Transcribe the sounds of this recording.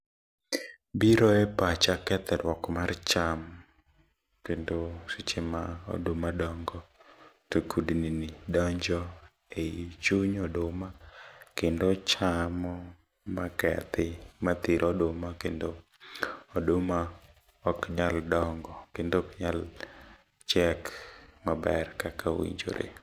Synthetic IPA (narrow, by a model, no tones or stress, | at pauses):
biɾɔɛpat͡ʃakɛt̪ɛɾwɔkmart͡ʃam | kendosɪt͡ʃɪmao̰domadɔŋɡɔtokʰudninidɔɲd͡ʒɔ | eit͡ʃuɲɔdomakɪndot͡ʃamɔ | makɛ̰t̪ɪmat̪iɾʔɔdomakendo | odoma | ɔkɲaldɔŋɡɔkendokɲal | t͡ʃɛkmabɛrkakʰawḭɲd͡ʒo̰ɾḛ